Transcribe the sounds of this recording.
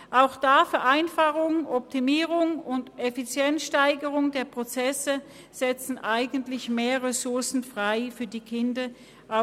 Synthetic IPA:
ʔaʊxd̥aːfɛɐʔaɪnfaχʊŋɔp̚tʰimiːʁʊŋʊndefit͡sjɛnsʃtaɪɡəʁʊŋdeːɐpʁ̥ot͡sɛsə | z̥ɛt͡sn̩ʔaɪɡəntlɪçmeːɐʁesʊɐsn̩fʁ̥aɪfyːɐdiːkʰɪndɐ | ʔa

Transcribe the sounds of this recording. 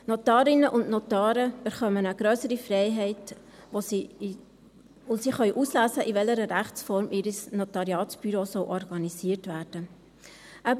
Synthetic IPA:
notɑːɾɪnəʔʊndnot̪ɑːɾəbɛχœmənəɡ̥ɾøːsəɾifrɛɪɦɛɪt | osiχœʏʔuslæːsəʔivɛləɾəɾæχt͡sfɔɾmʔiːɾəsnotɑɾiɑːtb̥yɾoːsɔwʔɔrɡɑnisiːəɾtʋæːrd̥ə | ʔæb

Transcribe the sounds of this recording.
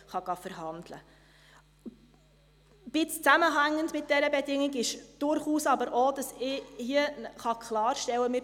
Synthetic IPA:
χɑɡ̥ɑfəɾɦɑnd̥lə̰ | b̥ɪt͡st͡sæməɦæŋːəndmɪt̚d̥ɛɾəbɛdɪŋɪɡɪʃd̥ʊɾχuːsɑbəɾʔod̥ɑsɪhiəχɑkʰlɑːɾʃtɛwːəmɪ

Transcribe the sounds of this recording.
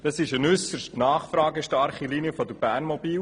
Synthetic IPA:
d̥ɑsɪʃənʏsəʃtnɑːχfɾɑːɡəʃtɑɾχiliniəfɔd̪əɾb̥æːɾnmɔbiːl

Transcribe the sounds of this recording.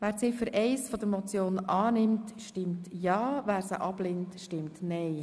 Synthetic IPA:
ʋæːɾt͡sɪfəɾʔɛɪsfɔd̪əɾmɔt͡sjoːnɑːnɪmtʃtɪmtjɑːʋæːɾsəʔɑb̥lɪntʃtɪmtnɛɪ

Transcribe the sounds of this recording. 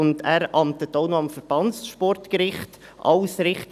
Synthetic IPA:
ʊndæːɾɑmtətːoʊnoɑmfəɾb̥ɑnsʃpɔrtkəɾɪχt | ʔɑ̰ʊsɾɪχt

